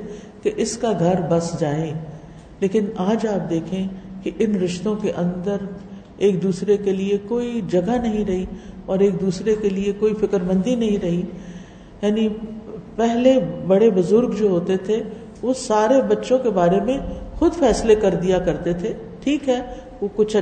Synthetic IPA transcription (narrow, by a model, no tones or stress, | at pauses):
keʔɪskaɡʱɐɾbɐsd͡ʒaːẽː | leːkɪnaːd͡ʒaːp̚d̪eːkʰẽkiʔɪnɾɪʃt̪õkeʔɐ̃nd̪əɾ | eːk̚d̪uːsɾekeliekoːid͡ʒɐɡanɐɦĩɾɐɦiɔːɾeːk̚d̪uːsɾekeliekoːifɪkəɾmə̃nd̪inɐɦĩɾɐɦi | jaːnipɛɦlebɐɽebʊzʊɾɡd͡ʒoːɦoːt̪et̪ʰe | ʋoːsaːɾebɐtːʃõkebaːɾemẽxʊd̪fɛːslekɐɾd̪ijakɐɾt̪et̪ʰe | ʈʰiːkɦɛː | ʋokʊt͡ʃʰ